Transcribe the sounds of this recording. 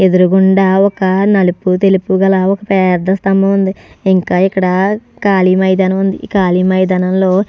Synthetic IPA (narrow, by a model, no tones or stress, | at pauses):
e̞d̪uɾuɡuɳɖaːɔkɐnɐluput̪e̞lupuɡɐlaɔkɐpɛːɾd̪ɐst̪ɐmbɐund̪iiŋkaːikːɐɽɐkaːlimɐjd̪ɐnɐmund̪ikaːlimɐjd̪ɐnɐmlo̞ː